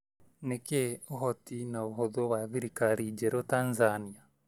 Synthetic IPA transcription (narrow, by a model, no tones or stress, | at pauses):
nekeoɦɔtinaoɦoðowaðiɾikaɾid͡ʒɛɾotanzania